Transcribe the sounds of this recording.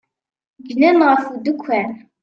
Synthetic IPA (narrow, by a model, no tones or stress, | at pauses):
ɡnənʁəfud̪əkʷʰːæn